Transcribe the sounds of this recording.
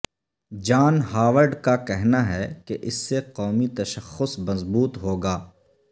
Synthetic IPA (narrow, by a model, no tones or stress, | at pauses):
d͡ʒaːnɦaːʋəɾɖkakɛɦnaɦɛkeʔɪsːeqɔːmit̪ɐʃəxʊsmɐzbuːt̪ɦoːɡaː